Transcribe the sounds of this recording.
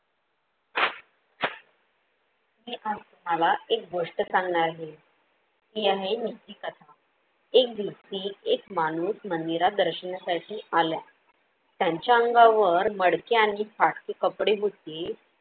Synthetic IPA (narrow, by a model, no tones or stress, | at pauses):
miːʔad͡zt̪um̤alaek̚ɡoʂʈət͡sanɳaɾɦe | t̪iaɦenit̪ːiːkət̪ʰa | ek̚d̪it̪iːekmañuːsmənd̪iɾad̪əɾɕənasaʈʰiːala | t̪jaɲt͡ɕjaəŋɡaʋəɾməɽkeaɽ̃ifaʈkekəpɽeɦot̪e